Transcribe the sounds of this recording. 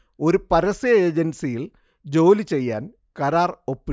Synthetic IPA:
o̞ɾupɐɾɐsiɐeːd͡ʑɐnsijil | d͡ʑo̞ːlit͡ɕe̞jːa̰ːn | kɐɾaːropːi

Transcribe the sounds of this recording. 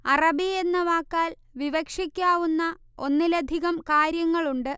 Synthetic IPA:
ɐrɐbie̞nːɐʋaːkːaːl | ʋiʋɐkʂikʲːaːʋunːɐ | o̞nːilɐd̪ʱiɣɐmkaːɾjɐŋːɐɭuɳɖɨ

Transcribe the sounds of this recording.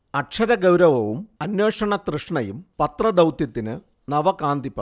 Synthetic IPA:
ɐʈʂʰɐɾɐɡɐwɾɐʋɐʋumɐnjeːʂɐɳɐt̪rɨʂɳɐjumpɐt̪rɐd̪ɐwt̪jɐt̪ːinɨ | nɐʋɐkaːnd̪ipːɐ

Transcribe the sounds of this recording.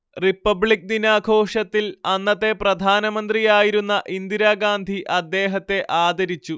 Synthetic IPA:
ripːɐbɭik̚d̪inaːɡʱo̞ːʂɐt̪ːilɐnːɐt̪ːe̞prɐd̪ʱaːnɐmɐnd̪rijaːjiɾunːɐʔind̪iɾaːɡaːnd̪ʱiʔɐd̪ːe̞ːɦɐt̪ːe̞ʔaːd̪ɐɾit͡ɕːu

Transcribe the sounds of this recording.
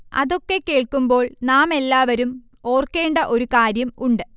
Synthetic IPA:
ɐ̰ðo̞kːekːe̞ːɭkːumbo̞ːɭnaːme̞lːaːʋɐɾum | o̞ːrkːe̞ːɳɖɐʔo̞ɾukaːɾjɐmuɳɖɨ

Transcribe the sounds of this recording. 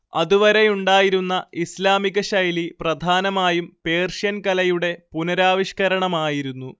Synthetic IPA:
ɐ̰ðuʋɐɾe̞juɳɖaːjiɾunːɐislaːmiɣɐɕɐjliprɐd̪ʱaːnɐmaːjumpe̞ːrʂjɐnkɐlɐjuɽe̞punɐɾaːʋiɕkɐɾɐɳɐmaːjiɾunːu

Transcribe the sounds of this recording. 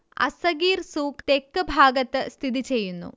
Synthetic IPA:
ɐ̰sɐɡiːɾsuːkt̪ekːɐbʱaːɡɐt̪ːɐst̪ʰid̪it͡ɕe̞jːunːṵ

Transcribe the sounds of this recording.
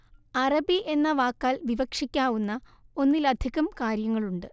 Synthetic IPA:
ɐrɐbiʔe̞nːɐʋaːkːaːlʋiʋɐkʂikʲːaːʋunːɐo̞nːilɐd̪ʱiɣɐmkaːɾjɐŋːɐɭuɳɖɨ

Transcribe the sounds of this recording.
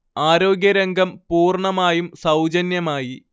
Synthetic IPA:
aːɾo̞ːɡʲjɐɾɐŋɡɐmpuːrɳɐmaːjumsɐwd͡ʑɐnjɐmaːji

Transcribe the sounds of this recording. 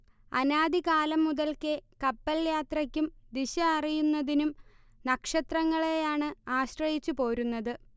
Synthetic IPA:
ɐnaːd̪ikaːlɐmːuðɐlkekɐpːɐljaːt̪rɐkʲːumd̪iɕɐɐrijunːɐðinum | nɐkʂɐt̪rɐŋːɐɭejaːɳɨaːɕrɐjit͡ɕːupo̞ːɾunːɐðɨ

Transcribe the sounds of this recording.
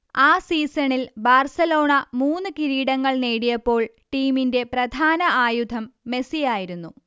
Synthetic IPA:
aːsiːsɐɳilbaːrsɐlo̞ːɳɐmuːnːɨkiɾiːɽɐŋːɐɭneːɽijɐpːo̞ːɭ | ʈiːminde̞prɐd̪ʱaːnɐʔaːjud̪ʱɐmːe̞sijaːjiɾunːu

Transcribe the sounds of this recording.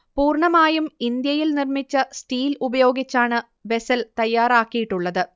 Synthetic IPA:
puːrɳɐmaːjumind̪jɐjilnirmit͡ɕːɐsʈiːlubɐjo̞ːɡit͡ɕːaːɳɨ | ʋe̞sɐlt̪ɐjːaːɾaːkːijiʈːuɭːɐðɨ

